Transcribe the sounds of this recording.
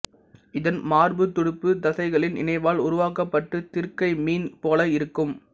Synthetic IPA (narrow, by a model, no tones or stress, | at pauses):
ɪðɐnmaːɾbɯt̪ːʊɽɪpːɯd̪ɐsɐɪɣɐɭɪnɪ̰nɐɪʋaːlʊɾʊʋaːkɐpːɐʈːɯt̪ɪɾkɐɪmiːnpoːlɐɪɾɯkːɯm